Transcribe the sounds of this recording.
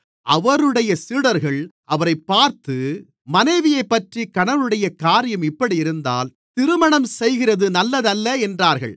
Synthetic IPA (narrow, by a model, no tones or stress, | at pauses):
ʔɐʋɐɾɯɽɐjɐsiːɽɐɾɣɐɭʔɐʋɐɾɐɪpːaːɾt̪ɯ | mɐnɐɪʋɪjɐɪpːɐʈrikɐɳɐʋɯɽɐjɐkaːɾɪjɐmɪpːɐɽiɪɾɯnd̪a̰ːl | t̪ɪɾɯmɐɳɐmsɛjɣɪrɐðɯnɐlːɐðɐlːɐɛndraːɾɣɐ̰ɭ